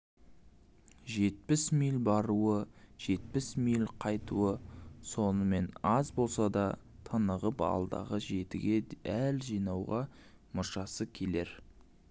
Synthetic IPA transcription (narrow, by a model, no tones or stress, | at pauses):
ʒe̞t̪̚pɪsmijlʲbɑɾuəʒ̥e̞t̪̚pɪsmijlʲqʰɑjt̪ṵwəso̞nəme̞nɑzbo̞lˠsɑd̪ɑ | t̪ʰənəʁəpɑ̰lˠd̪ɑ̰ʁəʒe̞t̪ɪ̰ɡʲe̞ælʒijnɑwʁɑ | mʊʃɑsəkʲʰe̞le̞ɾ